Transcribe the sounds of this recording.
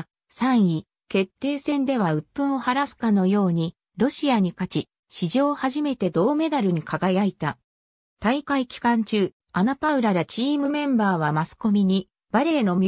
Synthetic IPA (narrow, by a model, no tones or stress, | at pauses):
sãɰ̃i | ke̞t̪ːe̞ːsẽ̞nd̪e̞β̞aɯ̟pːɯ̟̃ɰ̃o̞haɾasɨ̥kano̞jo̞ːɲ̟i | ɾo̞ɕiaɲ̟ikat͡ɕi | ɕiʑo̞ːhaʑime̞t̪e̞d̪o̞ːme̞d̪aɾɯ̟ɲ̟ikʰaɡajait̪a | t̪aikaikʲi̥kãɲ̟t͡ɕɨː | anapaɯ̟ɾaɾat͡ɕiːmɯ̟mẽ̞mbaːβamasɨ̥ko̞mʲiɲ̟i | b̥aɾe̞ːno̞mʲ